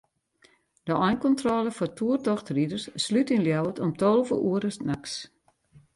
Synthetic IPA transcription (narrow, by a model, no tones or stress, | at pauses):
d̥əɔjnkɔntrolˠəfɔrtʰuərtɔxtridərsslytynljawətɔmtolˠvə̰ʔuəɾəsnaks